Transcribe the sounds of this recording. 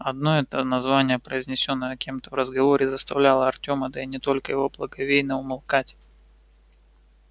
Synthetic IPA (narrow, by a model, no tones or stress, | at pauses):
ɐd̪no̞ɛt̪ənɐzvanʲɪjəpɾəɪzʲnʲɪsʲo̞nːəjɐkʲemt̪əvrəzɡɐvo̞ɾʲɪzəst̪ɐvlʲalˠəɐrtʲo̞məd̪əinʲɪt̪o̞lʲkəjɪvo̞blˠəɡɐvʲejnəʊmɪlˠkatʲ